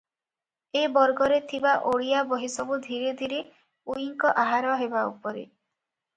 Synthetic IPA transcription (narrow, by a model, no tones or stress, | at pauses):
ebɔɾɡɔɾet̪ʰibaʔoɭijabɔɦisɔbud̪ʱiɾed̪ʱiɾe | uiŋkɔʔaɦaɾɔɦebaṵpɔɾḛ